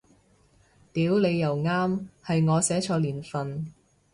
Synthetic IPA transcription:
t̪iː˨˥wle˨˧jːɐ˨˩wŋaː˥mhɐ˨jŋɔː˨˧sɛː˨˥t͡ʃʰɔː˧liː˨˩nfɐ˨n

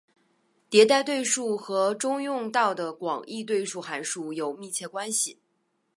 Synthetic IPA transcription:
t̪jɛ˧˥t̪a˥˧ɪt̪we˥˧ɪʂu˥˩xɤ˧˥ʈ͡ʂʊ˥ŋjʊ˥˧ŋt̪ɑ˥˩ʊd̪ə˩kwɑ̰˨˩ŋʔi˥˧t̪we˥˧ɪʂu˥˩xa˧˥nʂu˥˩jo˨˩ʊmi˥˧t͡ɕʰjɛ˥˩kwa˥nɕi˨˩

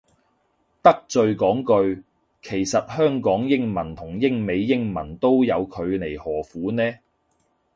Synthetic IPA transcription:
t̪ɐ˥k̚t͡sɵ˧ɥkɔː˨˥ŋkɵ˧ɥ | kʰe˨˩jsɐ˨t̚hœː˥ŋkɔː˨˥ŋjɪ˥ŋmɐ˨˩nt̪ʰʊ˨˩ŋjɪ˥ŋme˨˧jːɪ˥ŋmɐ˨˩nt̪o˥wjɐ˨˧wkʰɵ˨˧ɥle˨˩jhɔː˨˩fuː˨˥nɛː˥

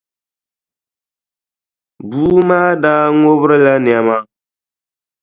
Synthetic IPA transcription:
buː˦maː˦daː˦ŋo˦bɾɨ˦la˦nɪ˨a˨ma˦

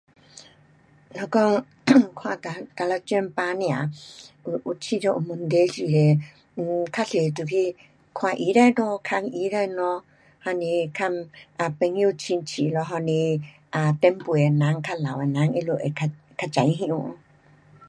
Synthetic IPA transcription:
lɔ˧kɔ˦ | kʰwa˧ta˧t̪a˧la˧t͡ʃɛ˧˦mpa˧˦ni˧a̰˨˧ | u˧t͡ʃi˧ɾɔ˧ʔu˧mə˧nd̪e˦d͡ʒi˧˨ɾe˨˧ | kʰa˧ɬe˨t̪u˨˧ki˧˦ | kʰwa˧ʔi˧˦ɾa˧jnɔ˧kʰa˧ŋi˧˦ɾa˧jnɔ˧ | ha˧ni˧kʰa˧ma˧pe˧ŋĩ˧u˧t͡ʃi˧nt͡ʃi˧˨lɔ˧ɦɔ˧ni˧ | a˨˧t̪ɛ˧˦mpu˨e˨na˨˦ŋkʰa˧la˨we˨na˨˦ŋi˧lo˧˨ʔe˨ka˧ | ka˧d͡ʒa˨jɦĩ˧ʔu˧ʔ

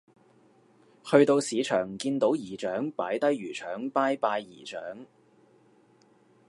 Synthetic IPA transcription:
hɵ˧ɥt̪o˧wsiː˨˧t͡ʃʰœː˨˩ŋkiː˧nt̪o˨˥wjiː˨˩t͡ʃœː˨˥ŋpaː˨˥jt̪ɐ˥jɥyː˨˩t͡ʃʰœː˨˥ŋpaː˥jpaː˧jːḭː˨˩t͡ʃœ̰ː˨˥ŋ

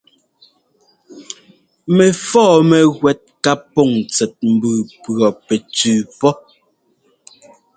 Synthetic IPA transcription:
mɛ˨fɔː˦˨mɛ˨ɣwɛ˦t̚ka˦pɔ˦˨ŋt͡sɛ˨t̚m̩˨bʉː˨pɰɔ˨pɛ˨t͡sʉː˨pɔ˦

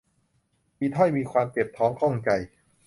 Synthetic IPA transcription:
miː˧t̪ʰɔ˥˩jmiː˧kʰwaː˧mt̪e˨˩p̚t̪ʰɔː˦˥ŋkʰɔ˥˩ŋt͡ɕa˧j

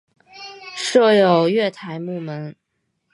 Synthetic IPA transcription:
ʂɤ˥˩jo˨˩ʊɥɛ˥˩t̪ʰa˧˥ɪmu˥˩mə˧˦˥n

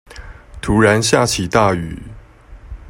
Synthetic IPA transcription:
t̪ʰu˧˥ɻa˧˦nɕja˥˧˩t͡ɕʰi˨˩˦t̪a˥˩y̰˨˦

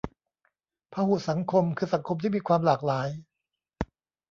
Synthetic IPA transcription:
pʰaː˧hu˨˩sa˩˦ŋkʰo˧mkʰɯː˧sa˩˦ŋkʰo˧mt̪ʰiː˥˩miː˧kʰwaː˧mlaː˨˩k̚laː˩˦j

